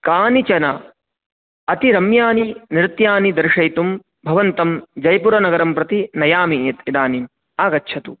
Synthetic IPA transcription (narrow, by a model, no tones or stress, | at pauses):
kaːnit͡ʃɐnɐ | ɐt̪iɾɐmjaːniniɾɪt̪jaːnid̪ɐɾʂɐjt̪um | bʱɐʋɐnt̪ɐmd͡ʒɐjpuɾɐnɐɡɐɾɐmpɾɐt̪inɐjaːmit̪id̪aːnim | aːɡɐtːʃʰɐt̪u